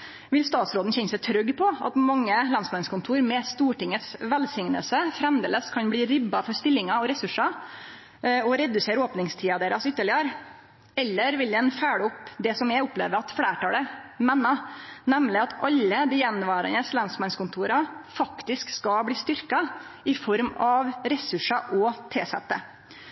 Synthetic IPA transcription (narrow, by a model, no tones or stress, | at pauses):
ʋɪlst̪ɑːt̪sɾoːd̪n̩ɕɛnəsɛɪt̪ʰɾœɡːpʰɔɑ̰t̪mɑŋːəlɑnsmɑnskʊnt̪ʰuːɾmɛst̪uːʈɪŋət̪sʋɛlsɪŋnə̰lsəfɾɛmd̪eːləskʰɑnbliːɾɪbːɑfɔɾst̪ɪlːɪŋɑɔɾɛsʉʂɑ | ɔɾɛd̪ʉseːɾoːpnɪŋst̪ʰiːɑd̪eːɾɑsʏt̪ːəɭɪəɾ | ɛlːəɾʋɪld̪ɛnfæːɽʊpd̪ɛsɔmɛʊplḛːʋəɾɑt̪fɽæːʈɑːləmɛnːɑnɛmlɪɑt̪ʰɑlːəd̪ɪːjɛnʋɑːɾə̰nəslɛnsmɑnskʊnt̪ʰuːɾɑfɑkt̪ɪskskɑbliːst̪ʏɾkɑ | ɪfɔɾmɑʋɾɛsʉʂɑʔɔt̪ʰeːsɛ̰t̪ːə̰